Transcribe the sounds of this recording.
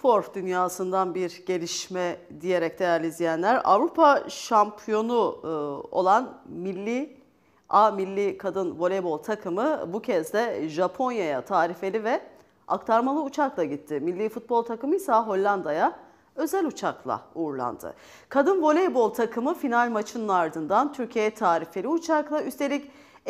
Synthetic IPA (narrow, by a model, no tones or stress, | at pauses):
fo̞ɾfd̪ynjaːsɯnd̪anbiɾɟe̞lʲiʃmɛd̪ije̞ɾɛc̚d̪̥e̞jæɾlʲizijænlʲæɾa̰vɾupʰaʃampʰijo̞nu | o̞̰lˠanmilʲːi | amilʲːikʰad̪ɯnvo̞lʲebo̞lˠt̪ʰakʰɯmɯbucʰɛzd̪ɛʒapʰo̞njaja̰t̪ʰaːɾife̞lʲivɛ | a̰kt̪ʰaɾmalˠɯut͡ʃʰaklˠaɟit̪ʰːɪmilʲːiːfut̪̚bo̞lˠt̪ʰakɯmɯjsaɦo̞lʲːand̪aja | ø̞zælʲut͡ʃʰaklˠa̰uɾlˠa̰nd̪ɯ̰ | kʰad̪ɯnvo̞lʲebo̞lˠt̪ʰakʰɯmɯfinalʲmat͡ʃʰɯnɯnaɾd̪ɯnd̪ant̪ʰyɾcʰiejɛt̪ʰaːɾifelʲiut͡ʃʰaklˠayst̪ʰe̞lʲic